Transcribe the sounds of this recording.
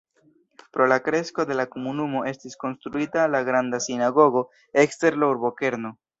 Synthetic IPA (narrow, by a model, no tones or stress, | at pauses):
pɾo̞lakɾe̞sko̞de̞lakomunumo̞ʔe̞stisko̞nstɾuitalaɡɾandasinaɡo̞ɡo̞ | e̞kste̞ɾlowɾbo̞ke̞ɾno̞